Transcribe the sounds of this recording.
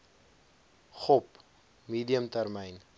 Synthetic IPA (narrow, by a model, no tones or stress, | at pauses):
χɔp | miːdiəmtærmɛjn